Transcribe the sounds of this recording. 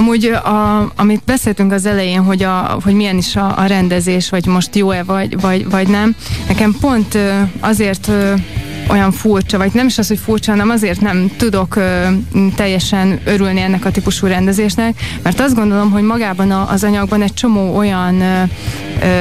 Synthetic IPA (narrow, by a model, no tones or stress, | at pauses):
ɒmuːɟɒɒmit̪̚bɛseːlt̪yŋkɒzɛlɛjeːnɦo̞ɟɒɦoɟmijɛniʃɒ̰ːɾɛnd̪ɛzeːʃʋɒɟmo̞ʃt̪joːɛvɒɟvɒɟvɒɟnɛmnɛkɛmpo̞nt̪øɒzeːrt̪ø | o̞jɒɱfurt͡ʃɒvɒɟnɛmiʃɒsho̞cfuːrt͡ʃɒnɛmɒzeːrt̪nɛmt̪ud̪o̞køːt̪ɛjːɛʃɛnø̞ɾylniɛnːɛkɒt̪ipuʃuːɾɛnd̪ɛzeːʃnɛk̚mɛrt̪ɒzd̪ɡond̪o̞lo̞mɦo̞ɟmɒɡaːbɒnɒʔːzɒɲɒɡ̚bɒnɛc̚t͡ʃo̞moːo̞jɒn